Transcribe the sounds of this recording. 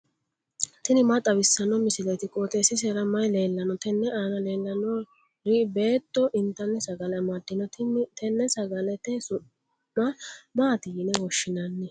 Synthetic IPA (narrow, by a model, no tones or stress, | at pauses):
t̪ɪnɪmɐt̪ʼɐbɪsːɐnːɔmɪsɪlet̪ɪkʼoːt̪ɛsɪs̬ɛɾɐmɐjle̞ːlːɐnɔt̪ɛnːɛʔaːnɐleːlːɐnɔ | ɾibe̞ːt̪ʼːɔʔɪnt̪ːɐnːɛsɐɡɐlɐmɐd̪ːɪnɔt̪ɛnːɛsɐɡɐlɛt̪ɛsʊnː | abaːt̪ɪjɪnɛwɔʃːɪnɐnːɛ